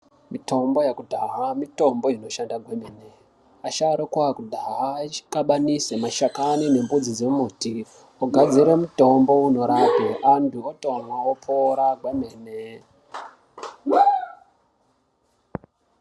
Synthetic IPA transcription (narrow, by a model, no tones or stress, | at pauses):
mito̞mbo̞jekudʱaɦamito̞mbo̞ino̞ʃandaɡʱwemeːne | aʃaɾokwakudʱaɦakaɓanisemaʃakanine̞mbud͡zid͡zemuti | oɡʱad͡ziɾe̞muto̞mbo̞uno̞ɾabʱeʔantʰuoto̞mwaopʰoɾaɡʱweme̞ːne